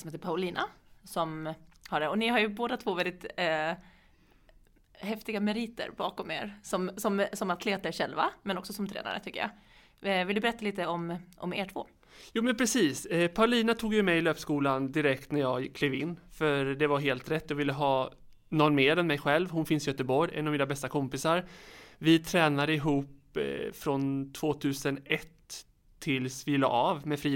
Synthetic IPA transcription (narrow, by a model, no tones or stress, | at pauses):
sɔmheːt̪əɾpʰaʊliːnʔa̰sɔmhaɖɛɔnɪɦaɾjɵboːd̪at̪ʰvoːvɛld̪ɪt̪ | hɛft̪ɪɡamɛɾiːt̪ə̰ɾbɑ̰ːkɔmḛːɾsɔmsɔmsɔmat̪ʰleːt̪aɾʂɛlva̰mɛnɔksɔsɔmt̪ʰɾɛ̰ːna̰ɾə̰t̪ʰʏkːə̰jɑ̰ | vɪld̪ɵbɛɾɛt̪ːaliːt̪əɔmʔɔ̰mḛːʈʰv̥o̰ː | juːmɛnpʰɾɛsiːspʰaɾliːnat̪ʰuːɡjɵmɛjɪløːpskuːland̪ɪɾɛkt̪næɾjɑːɡkʰːliːvɪnːfœɾd̪ɛvaɾɦeːlt̪ɾɛt̪ːjavɪlːəɦɑː | nɔnːmeːɾɛnmɛjɧɛlvhʊnfɪnsɪjœt̪əbɔɾjɛ̰navmiːnabɛst̪akʰɔmpɪsaɾvɪt̪ʰɾɛːnad̪əɪɦuːpfɾɔnt̪ʰv̥oːt̪ʰʉ̟ːsənɛt̪ʰː | ɪlsvɪlɑ̰ːɾavmɛfɾiː